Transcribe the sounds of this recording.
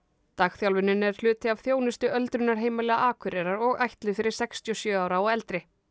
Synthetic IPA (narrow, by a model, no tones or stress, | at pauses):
t̪aːxθjawlvɪnːʏnɛɾ̥hlʏːt̪ɪav̥θjoːwnɪst̪ʏʔœlt̪ɾʏnːaɾ̥ɦeːjmalɛːɣaʔaːkʰʏɾɛɾaɾɔɣajht̪lɪfɪɾɪɾ̥sɛkst̪ʰijɔsjœːaːwɾaɔɣɛlt̪ɾɪ